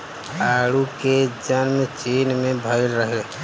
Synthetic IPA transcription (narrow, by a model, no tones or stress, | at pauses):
aːɽuked͡ʒənmt͡ʃiːnmẽbʱəɪɾɾəɦe